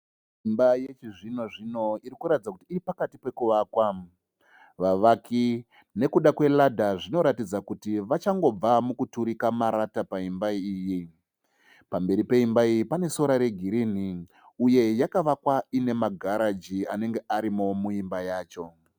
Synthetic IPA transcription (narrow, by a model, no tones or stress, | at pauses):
imbajet͡ʃiʐino̞ʐino̞iɾikuɾatid͡zakutiːripakatipe̞kuʋaːkwa | ʋaʋakʰi | ne̞kuɗakwe̞ladʱaʐino̞ɾatid͡zakutiʋat͡ʃaŋɡo̞b͡vamukutuɾikamaɾatapaimbaiːji | pambe̞ɾipe̞imbaijipane̞so̞ɾaɾe̞ɡʱiɾiːni | uje̞jakaʋakwaine̞maɡʱaɾad͡ʒiane̞ŋɡe̞ʔaɾimo̞muimbajaːt͡ʃo̞